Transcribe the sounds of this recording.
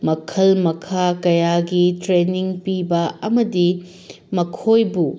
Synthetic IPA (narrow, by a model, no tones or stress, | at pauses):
mɐkʰɐlmɐkʰakɐjaɡitɾeniŋpibɐɐmɐdi | mɐkʰojbu